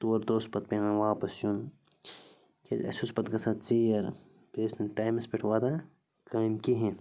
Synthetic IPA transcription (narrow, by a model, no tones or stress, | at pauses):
t̪uːɐɾd̪oːspɐt̪̚pʲenɐ̃ʋaːpɐsjun | kʰʲḛd͡ʒɐ̰suspɐt̪kɐsat͡siːɐɾ | beːsnɐʈaːjmɐspeʈʰʋaːd̪a | kaːmkiɦẽ